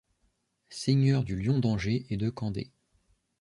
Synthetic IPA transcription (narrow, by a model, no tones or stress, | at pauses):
seɲœʁd̪yljɔ̃d̪ɑ̃ʒeʔed̪əkɑ̃d̪ḛ